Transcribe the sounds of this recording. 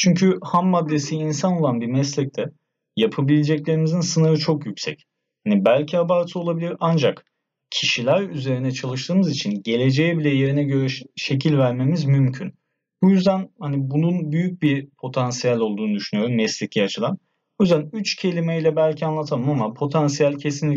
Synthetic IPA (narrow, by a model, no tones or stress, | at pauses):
t͡ʃʰyɲcʰyhamːad̪ːe̞siːnsano̞lˠanbiɾmɛslʲɛc̚t̪ʰɛ | japʰabilʲed͡ʒɛclʲe̞ɾimizinsɯnɯɾɯt͡ʃʰo̞kjycʲsɛ̰c | hanibælʲcʰiabaːɾt̪ʰɯo̞lˠabilʲiɾand͡ʒak | cʰiʃilʲæɾyze̞ɾinɛt͡ʃʰalˠɯʃt̪ʰɯːmɯzit͡ʃʰinɟe̞lʲe̞d͡ʒejɛbilʲɛje̞ɾinɛɟøɾʃe̞c̬ʰilʲvæɾme̞mizmymcʰyn | bujyzd̪ænhanibununbyjyc̚biɾpʰo̞t̪ʰansijalʲo̞lˠd̪uːnud̪yʃynyjo̞ɾumːɛslʲɛclʲɛat͡ʃʰɯlˠan | bujyzd̪ænyt͡ʃcʰe̞lʲimɛilʲɛbælʲcʰianlˠat̪ʰamamapʰo̞t̪ʰansijalʲcʰe̞s̬inlʲi